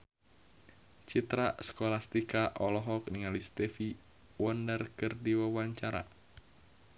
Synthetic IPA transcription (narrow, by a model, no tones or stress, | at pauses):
t͡ʃit̪ɾasə̥kɔlast̪ikaʔɔlɔɦɔk̚niŋalist̪ɛfi | wɔndərkɨrdiwawaɲt͡ʃaɾa̰